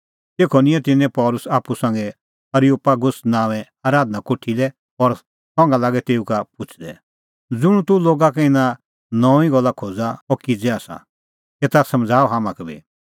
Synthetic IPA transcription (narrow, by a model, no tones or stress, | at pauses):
t̪eːkʰɔnɪ̃ɛ̃t̪ɪnːɛ̃pɔːlʊsaːpːusɐ̃ŋɡɛ | ɐɾiuːpaɡʊsnãːʋɛ̃ | aːɾaːd̪nakoʈʰːilɛ | ɔɾ | sɔ̃ːŋɡalaːɡɛt̪eːukapʊt͡ʃʰd̪ɛ | d͡zʊɽ̃t̪uloːɡakɛɪnã | nɔ̃ːĩɡɔlːakʰoːd͡zaɔkɪd͡zɛaːsa̰ | eːt̪asɐ̃md͡zʱaːɔɦaːmãkɛbḭ